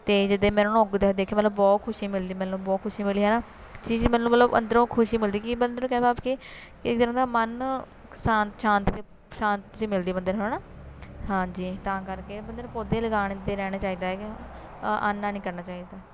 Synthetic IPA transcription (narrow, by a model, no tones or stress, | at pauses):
t̪eːd͡ʒɪd̪eːmɛ̃ːnõːʊɡd̪eːd̪eːkʰeːmət̪ləbbɔːt̪kʰʊʃiːmɪld̪iːmɛːnũːbɔːt̪kʰʊʃiːmɪliːɦɛːnaː | t͡ʃiːd͡ʒmɛːnũːmət̪ləbə̰nd̪əɾõːkʰʊʃiːmɪld̪iːkɪbənd̪əɾõkɛːbaːbkɪ | kɪkt̪əɾə̃ːd̪aːmən | saːnʃãːnt̪ɾe | ʃãːnt̪ɾiːmɪld̪iːbənd̪əɾɦonaː | hãːd͡ʒiːt̪ãːkəɾkeːbənd̪əɾpoːd̪eːləɡaːɽ̃iːd̪eːɾɛːɽ̃aːt͡ʃaːiːd̪aːɛk | ʔa̰ːnːaːnĩːkəɾnaːt͡ʃaːiːd̪aː